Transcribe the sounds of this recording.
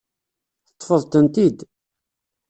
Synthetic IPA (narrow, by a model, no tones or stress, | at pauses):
θə̥t̪ˤːfəðˤt̪ənt̪id̪